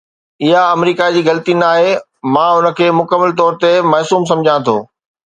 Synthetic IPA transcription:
ɪɦaɐmɾiːkad͡ʑiːɣɐlət̪inaːɦe | mãːʊnə̆kʰeːmʊkəmːəlt̪ɔːɾt̪emɐɦsuːms̬ɐ̃md͡ʑʱãt̪ʰo̰ː

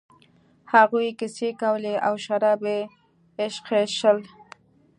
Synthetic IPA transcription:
haɣujkɪsekawleʔawʃaɾɑbeː | ʃqeʃəl

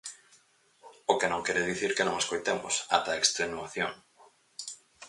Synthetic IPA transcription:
ʊkenõŋkɛɾeðiθiɾkenõŋeskojt̪emʊ̰sa̰t̪ɐekst̪ɾenuaθjoŋ

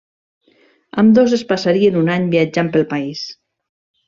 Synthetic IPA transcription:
amd̪ozespasaɾienunaɲbiad͡ʒampəlˠpais

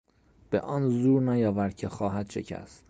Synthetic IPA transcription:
b̥ḛʔɒːnzuːɾnæjɒːvæɾd̪̚cʰexɒːɦæd̪̥ʃecʰæ̰s

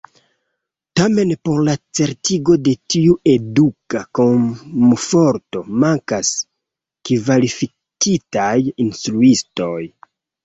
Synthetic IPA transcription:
tame̞npo̞ɾlat͡se̞ɾtiɡo̞de̞tiue̞dukako̞mfo̞ɾto̞maŋkas | kivalifi | kitajinstɾuisto̞j

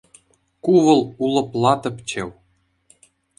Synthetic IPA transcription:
kuʋɤ̆lˠulˠɤ̆plˠɑt̪ɤ̆pt͡ɕĕw

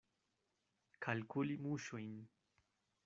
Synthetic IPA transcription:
kʰalkʊlimuʃʊjn

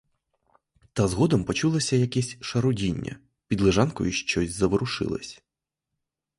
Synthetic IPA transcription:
t̪ɐzɣɔd̪ɐmpɔt͡ʃulˠɐsʲɐjɐkʲɛsʲʃɐɾudʲinʲːɐ̰ | pʲid̪lˠɪʐankɔ̰juʃt͡ʃɔzʲzɐʋɾʊʂɪ̰lˠɐ̰sʲ

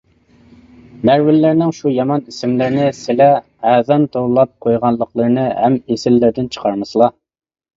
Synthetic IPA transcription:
mæɾwɪlːɪɾnɪŋʃujɑmɑnisɪmlɪɾnɪsɪlɛ | ɛːðɑnt̪ʰowlˠɑp̚qʰojʁɑnlˠːəqlˠəɾnɨhɛmesɪlːɪɾd̪ɪnt͡ʃʰə̥qʰɑɾmɨslˠɑ

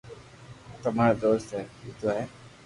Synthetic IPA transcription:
t̪ɐmaːɾad̪oːst̪ɦɛːit̪oɦɛː

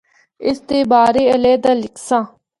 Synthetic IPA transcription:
ɪst̪eːbaːɾeːəleːd̪aːlɪksãː

